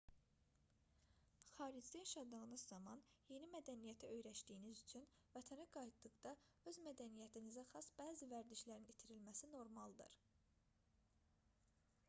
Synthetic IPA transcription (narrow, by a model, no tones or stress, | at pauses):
χɑːɾid͡ʒlijɑʃɑd̪ɯɣɯnɯzːɑmɑnje̞nimæd̪ænijæt̪ʰæø̞jɾæʃd̪ijːnizyt͡ʃʰyn | væt̪ʰænæɡɑjt̪d̪ɯɣd̪ɑ | ø̞zmæd̪ænijæt̪ʰinizæxɑsb̥æːzivæɾd̪iʃlæɾinit̪ʰiɾilmæsino̞ɾmɑlˠd̪ɯ̰ɾ